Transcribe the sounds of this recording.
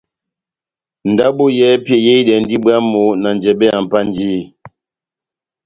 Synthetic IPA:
n̩˨da˦bo˦jɛ˦pjɛ˨je˦i˦dɛ˨n̩˦di˦bwa˦mo˨˦na˨n˨d͡ʒɛ˨bɛ˦a˨m̩˨pa˦n˦d͡ʒiː˦˨

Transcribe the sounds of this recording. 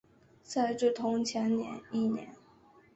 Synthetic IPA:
t͡sa˥˧ɪʈ͡ʂɻ̩˥˩t̪ʰʊ˧˥ŋt͡ɕʰjɛ˧˥nnjɛ̰˧˥ni˥˩njɛ̰˧˥n

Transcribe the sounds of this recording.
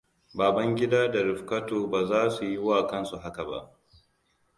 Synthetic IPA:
baː˨bɐ˦ŋɡʲɪ˦daː˦da˨ɾɪ˨ɸkɐ˦toː˨baː˨zaː˦su˨ji˦waː˨kɐ˦nsu˨ɦa˦ka˨ba̰˦˨ʔ

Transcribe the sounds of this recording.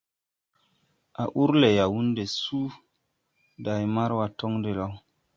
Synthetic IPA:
a˨ʔu˦ɾle˨ja˨wu˦nde˨su˦ | da˨jma˦ɾwa˨to˦ŋde˨la˨w

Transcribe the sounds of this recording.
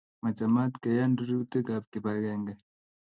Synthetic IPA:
ma˨t͡ʃa˨ma˦t̪ka˨ja˦ndɾi˦u˦t̪e˦ɡa˨p̚ki˨ba˨ɣɛ˦ŋɡɛ˦˨

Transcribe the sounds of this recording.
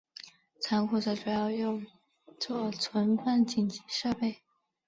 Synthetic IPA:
t͡sʰa˧˥nkʰu˧˩ʈ͡ʂɤ˧˥ʈ͡ʂu˨˩jɑ˥˧ʊjʊ˥˧ŋ | t͡swɔ˥˩t͡sʰwə˧˥npa˥˩nt͡ɕi˨˩nt͡ɕi˧˥ʂɤ˥˧pe˥˩ɪ

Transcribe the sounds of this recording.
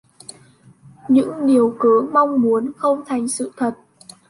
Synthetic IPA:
ɲɨ̰˧˥ŋɗi˨˩əwkɨ˨˦ma˧wŋ͡mmu˨˦ənxə˧wŋ͡mt̪ʰa˨˩jŋ̟sɨ̰˧˨t̪ʰə˨˩t̚

